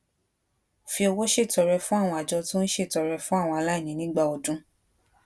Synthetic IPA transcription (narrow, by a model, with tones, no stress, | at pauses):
fi˧o˧wo˦ʃe˦˨tɔ˨ɾɛ˧fũ˦a˦˨w̃ɔ̃˧a˨d͡ʒɔ˧tũ˦n̩˦ʃe˦˨tɔ˨ɾɛ˧fũ˦a˦˨w̃ɔ̃˧a˧la˦i˦˨nĩ˨˦nĩ˦ɡ͡ba˧˨o˨dũ˦